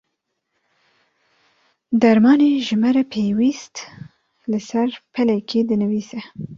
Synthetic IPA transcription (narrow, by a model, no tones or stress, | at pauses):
d̪ɛɾmɑːneːʒɨmɛɾɛpʰeːwist̪ | lɨsɛɾpʰɛlɛkʰed̪ɨnɨviːsɛ